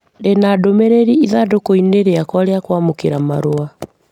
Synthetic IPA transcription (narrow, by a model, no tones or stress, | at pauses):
denadomeɾeɾiiðadokoineɾeakwaɾeakwamokeɾama̰ɾoa